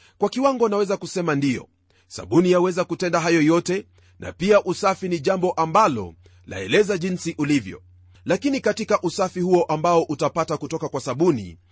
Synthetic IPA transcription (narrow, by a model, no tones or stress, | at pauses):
kwakiwaŋɡɔnawɛzakusɛmandijɔ̰ | sa̰ɓunijawɛzakutɛndaɦajɔjɔtɛ | nʔa̰piaʔusafiniʄambɔʔambalɔ̰ | lʔa̰ɛlɛzaʄinsiʔulivjɔ̰ | lakinikatikaʔusafihuɔʔambaɔʔutapatakutɔkakwasaɓunḭ